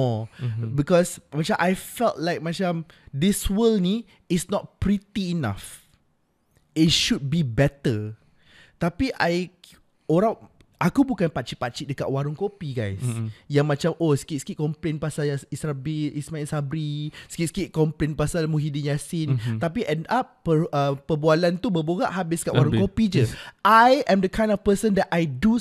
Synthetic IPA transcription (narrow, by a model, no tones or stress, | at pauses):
ɔbikɔsmat͡ʃamʔajfɛltlajk̚mat͡ʃamdiswəlni | ɪsnɔt̚pɹit̪iːna̰f | it̚ʃud̚bibɛt̪ə | t̪apiʔaj | oɾã | ʔakubukanpat͡ʃipat͡ʃiʔ̚dəka̰ʔ̚waɾʊŋkopiɡajsjaŋmãt͡ʃamʔoskit̪skiʔ̚kɔmplenpasalsisɾabiismailsabɾiskit̪skiʔ̚kɔmplenpasalmuɦidinjasɪnt̪ap̬iʔɛ̃ndap̚ːəəpəbualant̪ubəboɡa̰ʔɦabɪsdkaʔwaɾuŋkopid͡ʒəʔajɛ̃md̪əkʰãj̃ndɔfpəsə̃ndɛtʔajdu